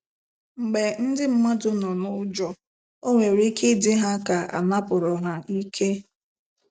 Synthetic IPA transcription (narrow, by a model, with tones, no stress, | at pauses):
ŋ͡m̩˨ɡ͡be˨n̩˦dɪ˦m̩˦ma˦dʊ˦nɔ˨nʊ˦d͡ʒɔ˨ | o˦ŋʷe˨ɾi˦kʰe˦dɪ˦ɦa˦ka˨a̰˨na˦pʊ˨ɾɔ˨ɦa˨i˦kʰe˦